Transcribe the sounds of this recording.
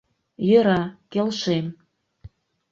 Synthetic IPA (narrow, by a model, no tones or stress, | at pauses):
jø̆ɾɑkelʃem